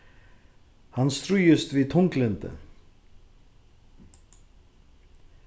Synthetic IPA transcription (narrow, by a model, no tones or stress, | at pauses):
hanːst̪ɾuːjʏst̪vit̪ʰuŋklɪnt̪ɪ̰